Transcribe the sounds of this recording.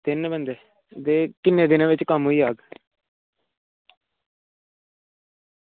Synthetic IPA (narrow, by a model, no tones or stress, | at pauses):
t̪ɪnbənd̪eː | d̪eːkɪnːẽːd̪ɪnẽːʋɪt͡ʃkəmɦoiːaːɡ